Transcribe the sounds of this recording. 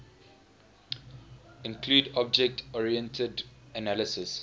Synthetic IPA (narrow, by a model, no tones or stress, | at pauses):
ɪ̃nkʰluːdɔb̚d͡ʒɛk̚tɔɹiɛ̃ntʰədənaləsəs